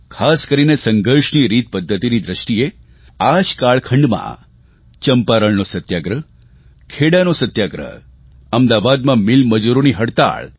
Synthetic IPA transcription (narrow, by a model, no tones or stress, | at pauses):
kʰaskəɾinesəŋɡəɾʃniɾit̪̚pəd̪ʱːət̪inid̪ɾəʃʈie | aʃkaɭkʰəɳɖmã̰ | t͡ʃəmpaɾəɭnosət̪jaɡɾə | kʰeɽanosət̪jaɡɾə̰ | əmd̪aʋad̪mãmɪlməd͡ʒuɾoniɦəɽt̪a̰ɭ